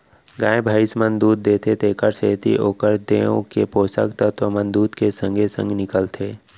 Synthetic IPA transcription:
ɡaːebʱaːɪsmə̃nd̪uːt̪̚d̪eːt̪ʰet̪eːkəɾseːt̪ḭʔoːkəɾd̪eõ̰kepoːsə̰kt̪ət̪ʋəmənd̪uːt̪kesə̃ŋɡʱesə̰̃ŋɡnɪkəlt̪ʰeː

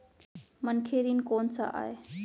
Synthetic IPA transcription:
mənkʰeːɾiːnkoːnsa̰ʔa̰ːe

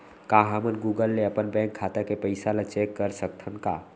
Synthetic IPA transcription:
kaɦəmənɡuɡəlːeəpənbɛ̃ŋkʰːat̪akepəɪsalet͡ʃekːəɾsək̚t̪ʰənka̰

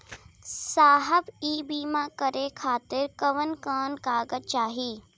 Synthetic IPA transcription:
saːɦəbiːbiːmãkəɾekʰaːt̪ɪɾkəʋənkəːnkaːɡət̚t͡ʃaːɦiː

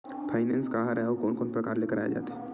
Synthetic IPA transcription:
pʰaːɪnɛ̃ːnskaɦɾɛɦeokoːnkoːnpɾəkaːɾlekəɾaːjḛd͡ʒa̰ːt̪e

